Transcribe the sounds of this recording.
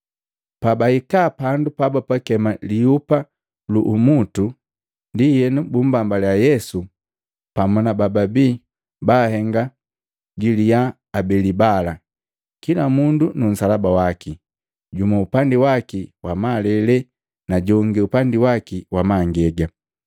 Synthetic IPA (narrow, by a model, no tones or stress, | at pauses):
pabaikapandupabapakɛmaliupa | luʔumutu | ndihɛnubum̩bambalajɛsu | pamɔnabababiː | baːhɛŋɡa | ɟilijaː | bɛlibala | kilamundunun̩salabawaki | ɟumaupandiwakiwamalɛlɛ | naɟɔŋɡiupandiwakiwamaŋɡɛɡa